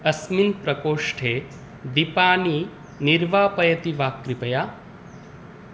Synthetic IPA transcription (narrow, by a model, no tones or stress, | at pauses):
ɐsminpɾɐkoːʂʈʰeː | d̪ipaːni | niɾʋaːpɐjɐt̪iʋaːkɾipɐjaː